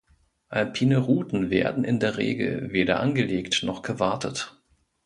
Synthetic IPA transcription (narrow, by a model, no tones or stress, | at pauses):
ʔalpʰiːnəʁuːtn̩vḛːɐdn̩ʔɪ̰ndeːɐʁḛːɡl̩veːɾɐ̰ʔanɡəleːktnɔχɡ̥əvaɐtʰət